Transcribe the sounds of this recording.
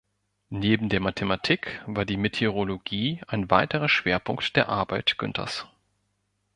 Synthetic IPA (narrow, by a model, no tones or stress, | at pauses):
neːbm̩deːɐmatʰematʰiːkv̥aːɐdiːmetʰeʁoloɡiːaɪnvaɪtəʁ̞ɐʃv̥eːɐpʰʊŋktd̥eːɐʔa̰ɐbaɪtɡ̥ʏ̰ntʰɐ̰s